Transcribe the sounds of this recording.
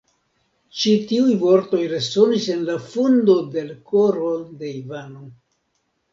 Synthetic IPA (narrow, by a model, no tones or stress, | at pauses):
t͡ʃitiujvo̞ɾto̞jɾe̞so̞nise̞nlafundo̞de̞lko̞ɾo̞de̞ivano̞